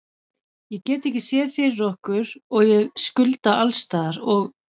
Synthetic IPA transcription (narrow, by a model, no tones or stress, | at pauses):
jɛɣcɛːt̪ɪɛhcɪsjɛːðfɪːɾɪɾɔhkʏɾɔɣjɛɣskʏlt̪aʔalst̪aːðaɾɔɣ